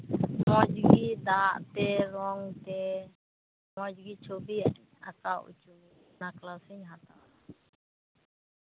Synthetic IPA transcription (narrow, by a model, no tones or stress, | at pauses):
mɔ̃d͡ʒɡid̪aːʔt̪ɛɾɔŋt̪ɛ | mɔd͡ʒɡit͡ʃʰobi | a̰t͡saʔṵt͡ʃu | naklasɪɲɦat̪a